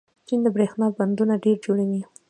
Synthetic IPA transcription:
t͡ʃind̪əbɾexnɑband̪unaɖeɾd͡ʒoɽawi

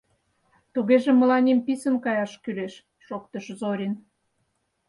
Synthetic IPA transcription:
t̪uɣeʒemə̆lɑnʲempisənkɑjɑʃkyleʃː | ok̚t̪ə̆ʃzoɾʲin

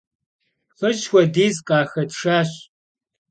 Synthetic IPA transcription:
fɨʒxʷɔdiːzqʼɑːxɐdʂaːɕ

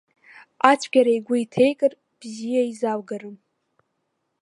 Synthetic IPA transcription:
at͡ʃʷʰɡʲaɾajɡʷaitʰejkʼɨr | b̥zijaizawɡarɨm

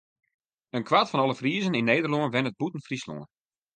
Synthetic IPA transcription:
ənkʋatfɔnɔlˠəfriːəzəninːejdərloənʋɛnət̚butən̩frislo̰ən

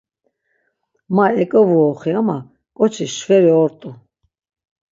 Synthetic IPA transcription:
maɛkʼɔvuɔχiama | kʼɔt͡ʃʰiʃχɛɾiɔɾt̪ʼu

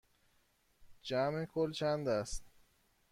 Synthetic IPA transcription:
d͡ʒæmekʰolt͡ʃʰænd̪æst̪

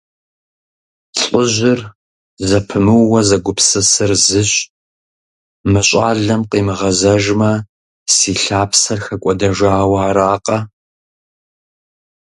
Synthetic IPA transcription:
t͡sʼʊʑɪr | zɐpʰɨmɨwːɐzɐɡʷʊpʰsɨsɨrzɨɕʼ | mɨɕʼaːɮɐmqiːmɨʁɐzɐʒmɐ | siːɬaːpʰsɐrxɐkʷʼɔdɐʒaːwaːɾaːqɐ

